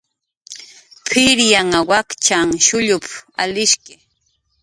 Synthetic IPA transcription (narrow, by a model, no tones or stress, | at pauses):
pʰɪɾjaŋawakt͡ʃaŋʃʊʎʊpʰa̰lɪʃkɪ